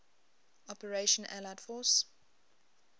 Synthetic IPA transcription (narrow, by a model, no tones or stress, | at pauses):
ɔpəɹeʃə̃nʔæ̰laɪdfɔs